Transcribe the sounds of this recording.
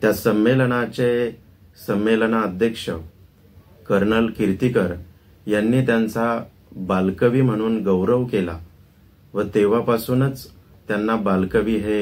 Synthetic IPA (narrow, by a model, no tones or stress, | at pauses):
t̪jasəmːelɳ̃at͡ɕe | səmːelnaəd̪ʱjəkʂə | kəɾnəlkiɾt̪ikəɾ | janːiːt̪jant͡sa | balkəʋiːm̤əɽ̃uːnɡəwɾəʋkela̰ | ʋət̪eʋ̤apasuːnət͡s | t̪janːabalkəʋiːɦe